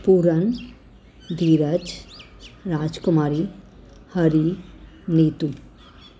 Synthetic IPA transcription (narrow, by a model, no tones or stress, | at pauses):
puːɾɐn | d̪iːɾɐd͡ʒ | ɾaːd͡ʒkumaːɾi | hɐɾi | niːt̪u